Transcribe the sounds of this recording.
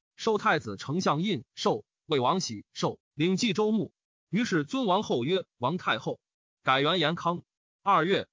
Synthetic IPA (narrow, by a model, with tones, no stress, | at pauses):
ʂo˥˧ʊt̪ʰa˥˩ɪd͡zɹ̩˨˩ʈ͡ʂʰɤ˧˥ŋɕjɑ˥˧ŋi˥˧nʂo˥˧ʊ | we˥˩ɪwɑ˧˥ŋɕi˨˥ʂo˥˩ʊli˧˥ŋt͡ɕi˥˧ʈ͡ʂo˥ʊmu˥˩ | y˧˥ʂɻ̩˥˩t͡swə˥nwɑ˧˥ŋxo˥˩ʊɥɛ˥wɑ˧˥ŋt̪ʰa˥˧ɪxo˥˩ʊ | ka˨˩ɪɥɛ˧˥njɛ˧˥nkʰɑ˥ŋ | ɐ˞˥˧ɥɛ˥˩